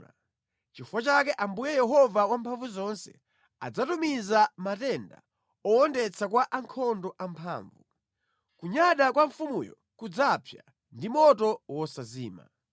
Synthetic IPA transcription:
t͡ʃifwat͡ʃakɛʔambujɛjɛɦɔvawampʰaɱvuzɔnsɛ̰ | a̰d͡zatumizamatɛnda̰ | ɔɔndɛt͡sʰakwaʔaŋkʰɔndɔʔampʰa̰ːɱvu | kuɲaɗakwaɱfumujɔ̰ | kud͡zapʰja̰ | ndimɔtɔwɔsazḭːma̰

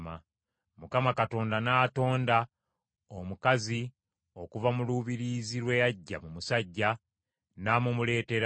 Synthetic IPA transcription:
ma | mukamakato̞ːndanaːto̞ːnda | omukazi | o̞kuvamuluːβiɾizilwe̞jaɟːa̰mumusaɟːa | namumule̞ːte̞ɾ

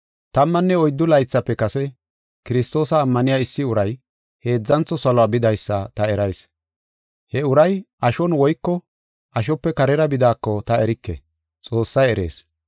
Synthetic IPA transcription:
t̪ɐmːɐnːɛɔjd̪ːʊlɐjt͡sːɐpːɛkɐsɛ | kɪɾɪst̪o̞ːsɐːmːɐnɪjaːɪsːɪʊɾɐj | he̞ːd͡zːɐnt͡sːɔsɐlɔaːbɪd̪ɐjsːɐt̪ɐɛɾɐjs | hɛʊɾɐj | ɐʃɔnwɔjkːɔ | ɐʃ̬ɔpːɛkɐɾɛɾɐbɪd̪aːkːɔt̪ɐɛɾɪkːɛ̰ | t͡sʼo̞ːsːɐjɛɾe̞̰ːs

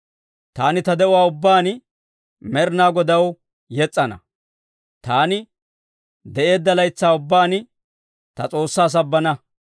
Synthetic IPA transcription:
t̪aːnɪt̪ɐd̪ɛʔʊwaːʊbːaːn | mɛɾnaːɡɔd̪ɐw | jɛt͡sʼːɐnɐ̰ | t̪aːnɪ | d̪ɛʔe̞ːd̪ːɐlɐjt͡sːaːʊbːaːn | t̪ɐt͡sʼo̞ːsːaːs̬ɐbːɐnɐ

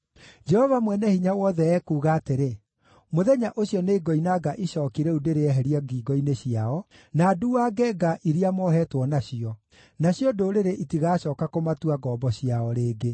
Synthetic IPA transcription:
d͡ʒɛhɔvamwɛnɛhiɲawɔːðɛɛːkuːɣaːteɾe | moðɛɲaʔoɕiɔneːɡɔinaɡaʔiɕɔːkiɾɛudeɾeɛɦɛɾiaɡiːɡɔineɕiaɔ | naːduwaːɡɛɡaʔiɾiamɔɦɛːtwɔnaɕiɔ | naɕjɔdoɾeɾeʔitiɣaːɕɔːkakomatuaɡɔːbɔɕiaɔɾeːɡe

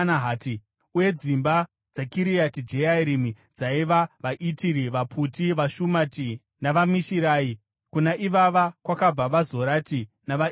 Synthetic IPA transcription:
naɦaːti | uje̞d͡zimba | d͡zakiɾijatid͡ʒeaiɾimi | d͡zaiʋaʋaʔitiɾiʋapʰutiʋaʃumaːti | naʋamiʃiɾaːi | kunaʔiʋaʋakwakab͡vaʋazo̞ɾati | naʋa

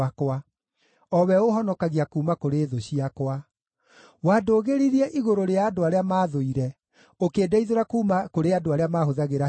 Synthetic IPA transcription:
akwa | ɔwɛohɔnɔkaɣiakuːmakoɾeːðoɕiakwa | waːdoːɣeɾiɾiɛʔiɣoɾoɾeaːdoaɾeamaːðoiɾɛ | okeːdaiðoɾakuːmakoɾeadoaɾeamaːhoðaɣeɾa

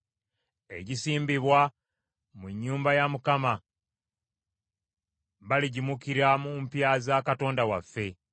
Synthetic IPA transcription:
e̞̰ɟisiːmbiβwa | muɲːuːmbajamukama | βaliɟimukiɾamumpjazakato̞ːndawafːe̞

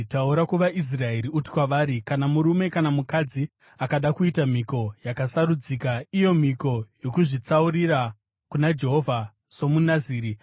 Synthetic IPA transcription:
tauɾakuʋaʔis̬rae̞ɾiuti̥kwaʋaːɾikanamuɾume̞kanamukad͡zi | akaɗakuitam̤iko̞jakasaɾud͡zikaijo̞m̤iko̞jo̞kuʐit͡sauɾiɾa | kunad͡ʒe̞ɦo̞vʱa | so̞munaziːɾi

